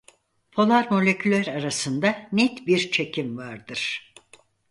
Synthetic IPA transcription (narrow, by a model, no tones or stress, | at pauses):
pʰo̞lˠaɾmo̞lʲe̞cʰylʲæɾaɾasɯnd̪anɛt̪biɾt͡ʃʰe̞cimvaɾd̪ɯɾ̥